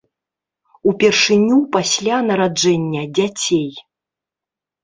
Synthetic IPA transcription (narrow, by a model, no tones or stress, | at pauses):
upʲɛrʂɨnʲupasʲlʲanɐɾad͡ʐɛnʲːɐd͡zʲat͡sʲej